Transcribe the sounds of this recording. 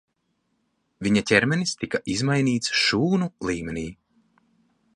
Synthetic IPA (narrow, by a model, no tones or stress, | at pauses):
viɲacʲɛɾmɛnist̪ikaʔizmajniːt̪sʃuːnulˠiːmʲɛniː